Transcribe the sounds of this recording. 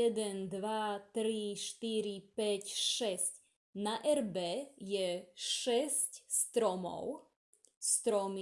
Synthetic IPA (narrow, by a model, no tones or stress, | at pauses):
ɛd̪ɛnd̪ʋat̪ɾiʃt̪iɾipɛcʃɛsc | naʔɛɾbɛjɛʃɛscst̪ɾɔmɔ̰ʊ | st̪ɾɔmi